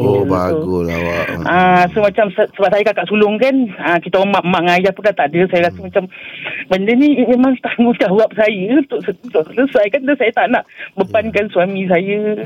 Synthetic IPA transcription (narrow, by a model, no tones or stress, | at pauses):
oəbauɡula̰waãsomat͡ʃamssəbap̚sajəkaʔkaʔsulʊŋkanakit̪amaʔmaʔŋajahpʊndat̪aʔdəsajəɾasəmat͡ʃambəndənimmemaŋt̪aŋɡut͡ʃawap̚sajəut̪ʊʔsəut̪ʊʔsələsajkandasajət̪aʔnaʔbəpankansuwamĩs̬ajə